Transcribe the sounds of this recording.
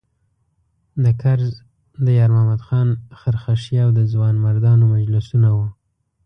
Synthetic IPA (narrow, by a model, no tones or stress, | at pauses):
d̪əkaɾz | d̪əjɑɾmamad̪xɑnxəɾxaʃjɑwd̪əzwɑnmaɾd̪ɑnomad͡ʒlɪsunawu